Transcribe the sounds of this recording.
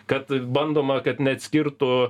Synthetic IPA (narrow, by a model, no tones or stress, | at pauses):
kɐt̪bɐnd̪oːmɐkɐt̪nʲɛɐt̪ʲsʲkʲɪɾt̪ʊ